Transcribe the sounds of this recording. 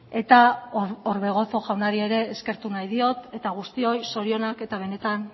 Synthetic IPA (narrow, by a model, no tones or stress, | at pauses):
e̞t̪aoɾβe̞ɣ̞o̞t͡so̞ʝawnaɾie̞ɾe̞ːske̞ɾt̪unajðio̞t̪e̞t̪aɣ̞ust̪io̞jso̞ɾio̞nake̞t̪aβ̞e̞ne̞t̪an